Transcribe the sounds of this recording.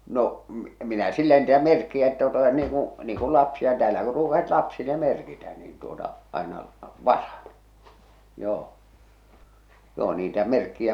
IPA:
no m minæ silːæ niːtæ merkːiæ etːæ tuotɑ niːŋ ku niːŋ kul lɑpsiɑ tæːlæ kur ruːkɑsit lɑpsile merkitæ niːn tuotɑ ɑˑenɑ ʋɑsɑn̥ joː joː niːtæ merkːiæ

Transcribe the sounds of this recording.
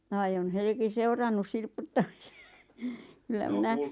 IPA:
ʋɑi on helki seurɑnːus silputːɑmise̥ kylːæ minæ

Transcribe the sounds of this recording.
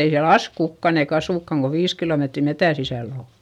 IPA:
ei siæl ɑs kukːɑn eik ɑsuˑkːɑŋ ko ʋiːs kiloˑmetri metæ sisæˑl oˑ

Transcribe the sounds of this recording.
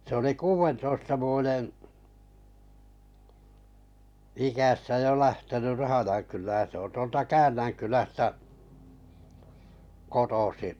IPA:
se oli kuːʋentoistɑ ʋuojen ikæsːæ jo læhtenyr̆ rɑhɑjɑŋkylæːn se on tuoltɑ kæːnˑæŋkylæstæ kotosiʔ

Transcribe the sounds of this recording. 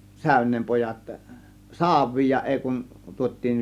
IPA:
sæˑø̝nˑeːm pojɑt sɑːʋˑiːj jɑ ʔeˑi kun tuot̆ʲtiːn

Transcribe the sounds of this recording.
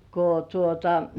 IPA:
ko tuotɑ

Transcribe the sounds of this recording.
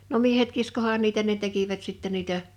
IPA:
no miehet kiskohɑːn niːtæ ne tekiʋæt sitːɛ niːtæ

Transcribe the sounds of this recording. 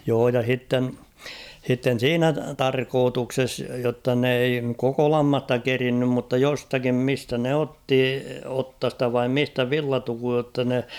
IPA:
joː jɑ h̞itːen h̞itːen̞ siːnæ tɑrkoːtukses jotːɑ n ei koko lɑmːɑstɑ kerinːym mutːɑ jostɑkim mistæ ne otːi otːɑstɑ ʋɑim mistæ ʋilːɑtukuj jotːɑ ne

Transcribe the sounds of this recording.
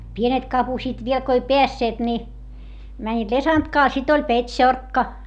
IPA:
pienet kɑpusiːt ʋiel ko ei peæsːeːt ni mænʲːiːt lesɑntkɑː sit olʲ petʲʃorkːɑ

